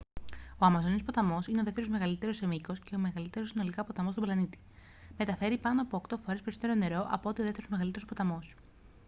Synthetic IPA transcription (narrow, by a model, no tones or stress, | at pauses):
o̞ɐmɐzo̞nispo̞t̪ɐmo̞sineo̞ðe̞ft̪eɾozme̞ɣɐlit̪e̞ɾo̞semiko̞sce̞ome̞ɣɐlit̪e̞ɾosino̞likɐpo̞t̪ɐmost̪blɐnit̪i̥ | me̞t̪ɐfe̞ɾipɐnoɐpo̞okt̪o̞foɾe̞spe̞ɾisot̪eɾone̞ɾo̞ʔɐpoot̪ioðeft̪eɾozme̞ɣɐlit̪eo̞spot̪ɐmo̞s